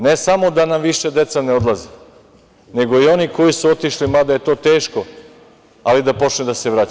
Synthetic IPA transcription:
nesamo̞d̪anamʋiʃed̪e̞t̪saneod̪lˠazi | ne̞ɡo̞io̞niko̞jisuot̪iʃlimad̪aje̞t̪o̞ːt̪e̞ːʃko | alid̪apo̞t͡ʃned̪aseʋɾat͡ɕa

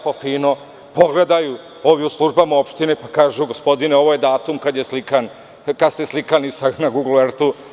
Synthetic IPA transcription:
pofiːno̞ | po̞ɡle̞d̪aju | o̞ʋiuslˠuʒbamao̞pʃt̪inepakaːʒuɡo̞spo̞d̪ineo̞ʋoje̞d̪aːt̪umkad̪jeslikan | kad̪seslˠikanisanaɡuɡlueɾt̪u

